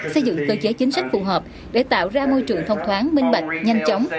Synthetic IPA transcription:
sə˧jzɨ̰˧˨ŋkəː˧t͡ɕe˨˦t͡ɕi˨˦ŋ̟sa˦˥k̟̚fṵ˨˩ɦəː˨˩p̚ | ɗe˧˩t̪a̰ː˧˨wzaː˧mo˧jt͡ɕɨ˨˩əŋt̪ʰwŋ͡mt̪ʰwaː˨˦nmï˧ŋ̟ɓa˨˩jk̟̚ɲa˧jŋ̟t͡ɕa˨˦wŋ͡m

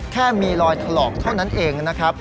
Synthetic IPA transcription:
kʰɛː˥˩miː˧ɾɔː˧jt̪ʰa˧lɔː˨˩k̚t̪ʰa˥˩wna˦˥nʔeː˧ŋna˦˥kʰɾa˦˥p̚

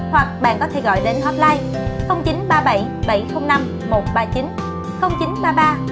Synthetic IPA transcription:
hwa˨˩k̚ɓa̰ː˧˨nkɔ˨˦t̪ʰe˧˩ɣɔ̰˧˨jɗe˨˦nt̪ʰwɔ˦˥p̚laː˧j | xə˧wŋ͡mt͡ɕi˨˦nɓaː˧ɓə˧˩jɓə˧˩jxə˧wŋ͡mna˧mːo˨˩t̚ɓaː˧t͡ɕi˨˦n | xə˧wŋ͡mt͡ɕi˨˦nɓaː˧ɓaː˧

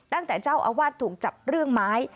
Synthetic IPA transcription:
t̪a˥˩ŋt̪ɛː˨˩t͡ɕaː˥˩wʔa̰ː˧waː˥˩t̪ʰːuː˨˩k̚t͡ɕa˨˩p̚ɾɯ˥˩əŋmaː˦˥j

